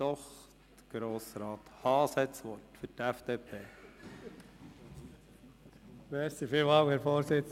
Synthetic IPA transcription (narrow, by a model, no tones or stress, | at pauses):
ɔχ | t̪əɡ̥ɾoːsɾɑːt̪hɑːsɛt͡sʋɔɾtfʏɾtɛfd̥̪eːpʰeː | mɛɾsifilmɑwhɛːɾfoːɾsɪt͡s